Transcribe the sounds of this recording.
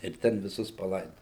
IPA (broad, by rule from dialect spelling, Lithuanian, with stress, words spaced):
ɪr ˈtʲɛn ʋʲɪˈsʊs pɐˈlˠɐɪdoːjoː